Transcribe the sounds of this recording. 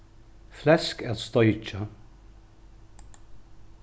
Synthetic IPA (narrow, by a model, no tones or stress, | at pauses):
flɛskæt̪st̪ɔʏt͡ʃa